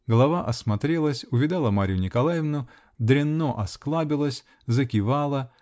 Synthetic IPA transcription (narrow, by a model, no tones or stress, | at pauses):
ɡəlˠɐvaʔɐsmɐt̪ɾʲelˠəsʲʊvʲɪd̪alˠəmaɾʲɪjʊnʲɪkɐlˠajɪvnʊ | d̪ɾʲɪnːoʔɐsklˠabʲɪlˠəsʲ | zəkʲɪvalˠə